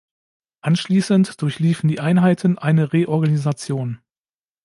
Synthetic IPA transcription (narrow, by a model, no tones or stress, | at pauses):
ʔanʃliːsəntd̥ʊɐçliːfn̩diːʔaɪnɦaɪtʰən̩ʔaɪnəʁeʔɔɐɡanizat͡sjoːn